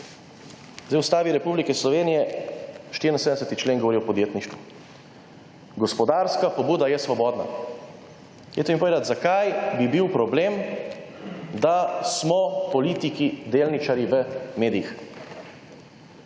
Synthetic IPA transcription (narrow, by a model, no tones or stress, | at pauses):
zd̪ɛjust̪aːʋiɾɛpublikɛslɔʋeːnijɛʃt̪iɾinsed̪ɛsɛt̪it͡ʃleːnɡɔʋɔɾijɔpɔd̪jeːt̪niʃt̪ʋu | ɡɔspɔd̪aːɾskapɔbuːd̪ajɛsʋɔbɔːd̪na̰ | jɛ̰t̪ɔimpoɔʋeːd̪at̪zakajbibiwpɾɔbleːm | d̪asmɔpɔliːt̪ikid̪eːlnit͡ʃaɾjiʋəmeːd̪ijix